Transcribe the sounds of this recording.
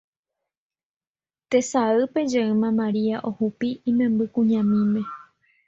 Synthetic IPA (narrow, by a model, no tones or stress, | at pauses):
t̪e̞saɨpe̞d͡ʒeɨmãmãɾiaʔohupiĩmẽ̞mbɨkũɲãmĩmẽ̞